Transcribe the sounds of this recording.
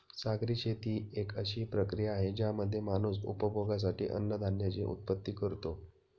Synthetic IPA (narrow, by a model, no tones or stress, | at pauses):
saɡɾiːɕʰet̪iːekəɕiːpɾəkɾijaːɦed͡ʑjaməd̪ʱːjemanuːs̬ṵpəbʱoɡas̬aʈḭːʔə̰nːəd̪ʱanjat͡seʔṵt̪̚pət̪ːiːkəɾt̪o